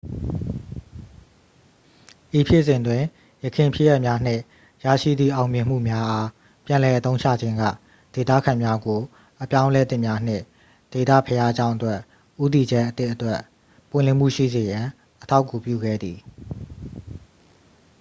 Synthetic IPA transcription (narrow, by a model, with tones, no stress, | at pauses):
ʔi˨pʰjɪ˦˨sɪ̃˨ndwɪ̃˨ | jəkʰɪ̃˨mpʰɪ˦˨jɛ˦˨ʔmja˦n̥ɪ̰̃˦˨ | ja̰˦˨ʃḭ˦˨d̪ðḭ˦˨ʔã˨ʊ̃mjɪ̃˨m̥ṵ˦˨mja˦ʔa˦ | pjã˨lɛ˨ʔət̪õ˦ʊ̃t͡ɕʰä̰˦˨d͡ʑɪ̃˦ŋɡä̰˦˨ | d̥e˨t̪ä̰˦˨kʰã˨mja˦ɡo˨ | ʔəpjã˦ʊ̃lɛ˦t̪ɪ̃˦˨mja˦n̥ɪ̰̃˦˨ | d̥e˨t̪ä̰˦˨pʰəja˦ʔəd͡ʑã˦ʊ̃ʔətwɛ˦ʔ | ʔu˦t̪i˨d͡ʑɛ˦ʔət̪ɪ˦ʔətwɛ˦ʔ | pwɪ̰̃˦˨lɪ̃˨m̥ṵ˦˨ʃḭ˦˨ze˨jã˨ | ʔətʰa˦ʊkːu˨pjṵ˦˨ɡɛ̰˦˨d̪ði˨